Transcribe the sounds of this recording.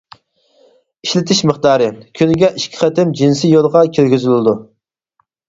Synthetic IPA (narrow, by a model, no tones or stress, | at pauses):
iʃlɪt̪ʰɪʃməχt̪ɑːɾɨkʲʰynɪɡʲɛʔiʃkʲʰi̥χæt̪ɪmd͡ʒinsijolˠʁɑkʲʰøɾɡʲyzylɪd̪u